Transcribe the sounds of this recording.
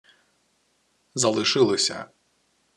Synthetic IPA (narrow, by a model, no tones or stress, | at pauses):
zɐlˠɨʂɨlˠɨsʲɐ̰